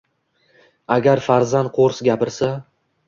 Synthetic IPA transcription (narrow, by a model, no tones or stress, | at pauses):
aɡʲaɾfaɾzant̪̚qʰoɾsɡʲapɪɾsa